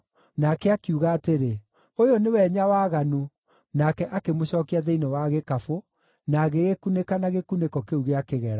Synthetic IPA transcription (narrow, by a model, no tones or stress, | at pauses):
nakɛakiuɣaːteɾe | ojɔnewɛɲawaːɣano | nakɛʔakemoɕɔːkiaðɛinɔwaɣekafo | naɣeɣekunekanaɣekunekɔkeuɣeakeɣɛɾa